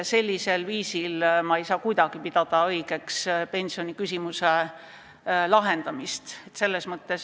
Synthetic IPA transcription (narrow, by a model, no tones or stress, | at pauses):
se̞lʲːise̞lviːsilmɑejsɑːkujd̪̥ɑɡ̥ipid̪̥ɑd̪̥ɑɤjɡ̥e̞kspe̞nʲsio̞nʲikysʲimuse | lɑɦe̞nd̪̥ɑmist̪et̪ːse̞lːe̞smɤt̪ːe̞s